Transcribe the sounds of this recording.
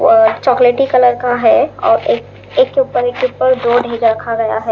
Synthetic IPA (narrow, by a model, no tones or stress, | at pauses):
t͡ʃɔːkleːʈikɐləɾkaɦɛɔ̰ːɾeːk | eːkːeupəɾeːkːeupəɾɖoːɖʱẽɡəɾɐkʰaɡɐja̰ɦɛː